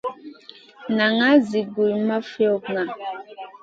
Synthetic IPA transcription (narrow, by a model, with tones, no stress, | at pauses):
na˨ŋa˦zi˨ɡu˨jma˦fɔ˦kŋa˨